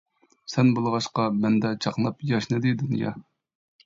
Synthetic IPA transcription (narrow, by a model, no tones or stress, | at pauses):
sɛnbolˠʁɑʃqɑmɛnd̪ɛt͡ʃʰɑχlˠɑpjɑʃnɨd̪ɪd̪unjɑ̰